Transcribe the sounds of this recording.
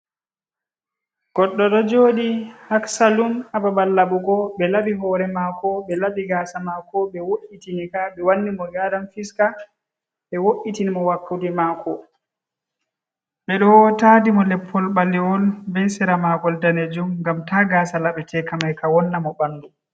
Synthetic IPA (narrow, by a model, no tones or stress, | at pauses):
ɡ̥ɔɗːɔɗɔd͡ʒoːdihaksalumababalːaɓuɡɔɓɛlabiɦɔːɾɛmakɔɓɛlaɓiɡaːsamakɔɓɛwoʔːitinikaɓɛwanːimɔɡadamfiska | ɓɛwoʔitinimɔwapʰːudimakʰɔ | ɓɛɗɔwtaːdimɔlɛpʰːɔlɓalːiwɔlbɛjsɛɾamaɡɔldaned͡ʒumɡamtaɡaːsalaɓɛtʰɛkamajkawɔnːamɔbandu